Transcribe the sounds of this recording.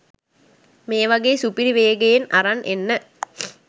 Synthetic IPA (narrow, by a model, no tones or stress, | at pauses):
meːʋɐɡeːsupiɾiʋeːɡejenɐ̰ɾɐnʔenːə